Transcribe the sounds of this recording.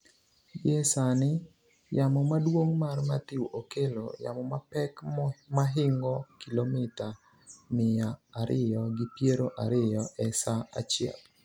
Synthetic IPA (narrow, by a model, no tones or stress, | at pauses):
jɛsanɪ | jamɔmadwoŋmarmatiwokelo̰ja̰mɔmapɛkmaɦɪŋɡɔkilomɪta | mɪjaːɾɪjɔɡɪpjeɾoʔaɾɪjɔʔɛsaa̰t͡ʃjɛ̰l